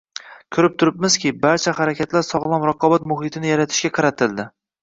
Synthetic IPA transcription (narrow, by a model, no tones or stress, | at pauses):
kʲʰʊɾɪp̚t̪ʰʊɾɪpmɪz̥kʲɪbaɾt͡ʃʰahaɾakʲʰat̪laɾsɒʁlˠɒmɾɑqʰɒbat̪mʊɦɪt̪ʰɪnɪjaɾat̪ʰɪ̥ʃkʲaqʰɑɾat̪ʰɪlˠd̪ɪ